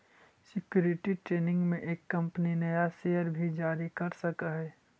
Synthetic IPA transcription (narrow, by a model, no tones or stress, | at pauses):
sɪkjuːɾɪʈiʈɾeːnɪ̃ŋɡmẽʔeːkːɐ̃mpəninɐjaseːəɾbʱid͡ʒaːɾikɐɾsɐkəɦɛː